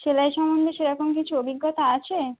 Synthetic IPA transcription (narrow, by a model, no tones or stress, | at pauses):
ʃelajʃɔmond̪ʱeʃeɾɔkʰonk̬it͡ɕʰuobʱiɡːɔt̪aat͡ɕʰe